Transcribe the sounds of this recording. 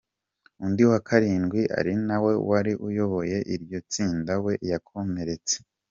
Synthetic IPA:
undiwakʰaɾiːnɡwiʔa̰ɾinawe̞waɾiʔujo̞βo̞je̞ʔiɾɟo̞t͡siːndawe̞ʔjakʰo̞me̞ɾe̞t͡se̥

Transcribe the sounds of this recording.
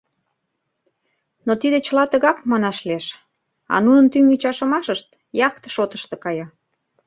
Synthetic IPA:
not̪id̪et͡ɕəlɑt̪əɣɑkmɑnɑʃleʃ | ɑ̰nunə̆nt̪yŋit͡ɕɑʃə̆mɑʃəʃt̪ | jɑkt̪ə̥ʃot̪ə̥ʃt̪ĕkɑjɑ

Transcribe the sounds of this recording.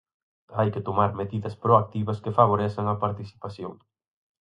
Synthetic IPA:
ajkɪt̪omaɾmeðiðɐspɾoak̚t̪iβɐskefaβ̞oɾɛsɐŋɐpaɾt̪iθi̥paθjoŋ

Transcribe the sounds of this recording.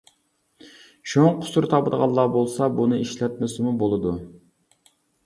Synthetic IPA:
ʃoqʰʊ̥suɾt̪ʰɑpɨd̪əʁɑlˠːɑbolˠsɑbunɨiʃlɛt̪̚mɪsɪmubolˠɨd̪u

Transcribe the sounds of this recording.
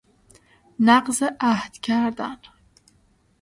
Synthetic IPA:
naqzaʔahd̪kʲʰaːrd̪a̰ːn

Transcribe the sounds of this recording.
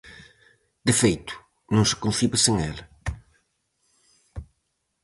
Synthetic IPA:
d̪ɨfejt̪u̥ | nɐ̃w̃sɪ̥kõθiβɐsẽŋɛlɐ

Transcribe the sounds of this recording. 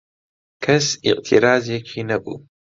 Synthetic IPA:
kʰɐsḭqʼtʰiɾaːzijɐkʲʰinɐkʷʼṵ

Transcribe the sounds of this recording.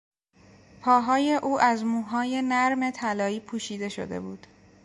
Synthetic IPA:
pʰɒːɦɒːje̞ʔuːʔæzmuːɦɒːje̞næɾme̞t̪ʰælɒːiːpʰuːʃiːd̪e̞ʃo̰d̪e̞̰buːd̪̥

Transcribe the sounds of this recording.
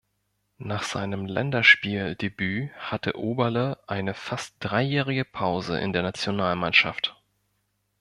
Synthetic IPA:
naːχz̥a̰ɪnəmlɛ̰ndɐʃpiːldebyːhatʰə̰ʔoːbɐləʔaɪnəfast̚d̥ʁaɪjɛːʁɪɡəpʰaʊzə̰ʔɪ̰ndeːɐnat͡sjonaːlmanʃaft

